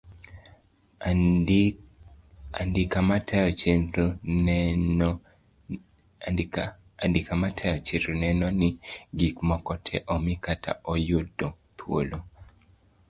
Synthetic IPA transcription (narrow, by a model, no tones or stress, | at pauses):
a̰ndɪkamatɛɔt͡ʃeo | andɪkamatʰɛjɔt͡ʃeɾonɛnɔnɪɡikmɔkɔtʰɛ̰ʔɔmikatʰa̰ʔɔjʊdo | t̪ʰwo̰lo